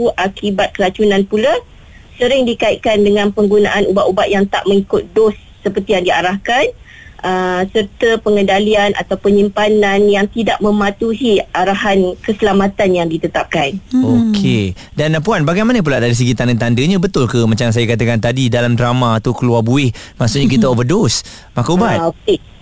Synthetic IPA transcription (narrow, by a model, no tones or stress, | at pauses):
uʔakibat̪̚kəlat͡ʃunãnpula | səɾɪŋdikaɪt̪̚kandəŋãnpəŋɡunaʔanubaʔubat̪̚jaŋt̪a̰ʔmə̃ŋikʊt̪̚dosːəpərt̪ijaŋdiaɾahkan | ʔəsərt̪əpəŋə̃ndalianʔa̰t̪awpəɲimpananjaŋt̪idaʔ̚mə̃mat̪uɦiaɾaɦankəsəlamat̪anjaŋdit̪ət̪ap̚kanokʰe | danpuanbaɡajmanəp̬ulaʔdaɾis̬əɡit̪andət̪andəɲãbət̪ʊlkəmat͡ʃaŋs̬ajakat̪əkant̪adidalamdɾamaːt̪ukəluarbuɪhmaʔsʊʔ̚ɲakit̪aobədosmakaubat̪ok̚e